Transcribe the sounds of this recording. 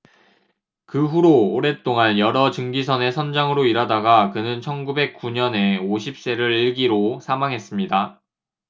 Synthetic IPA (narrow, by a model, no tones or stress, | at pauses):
kɯɸuɾoːɾe̞t͈oŋanjʌɾʌt͡ɕɯŋɡisʰʌne̞sʰʌnd͡ʑaŋɯɾoiɾadaɡakɯnɯnt͡ɕʰʌnɡube̞k̚k͈uɲʌne̞oɕʰip̚s͈e̞ɾɯɾiɭɡiɾosʰamaŋɦe̞s͈ɯmɲida